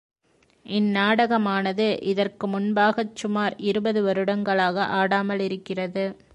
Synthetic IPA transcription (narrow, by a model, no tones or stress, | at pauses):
ʔɪnːaːɽɐɣɐmaːnɐðɯʔɪðɐrkɯmʊnbaːɣɐt͡ʃːʊmaːɾɪɾɯbɐðɯʋɐɾɯɽɐŋɡɐɭaːɣɐʔaːɽaːmɐlɪɾɯkːɪrɐðɯ